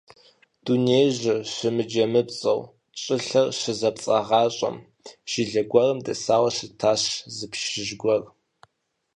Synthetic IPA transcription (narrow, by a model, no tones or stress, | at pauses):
d̥uneːjʒɐɕʷɨmɨd͡ʒɐmɨpt͡sʼɐ̰w | ɕʼɪɬɐrɕɪzɐp̚t͡sʼɐʁɑːɕʼɐ̰m | ʒ̥iɮɐɡʷɐrɨmdɐsaːwɐʃɪtʰaːɕzɨpʃɪʒɡʷɔr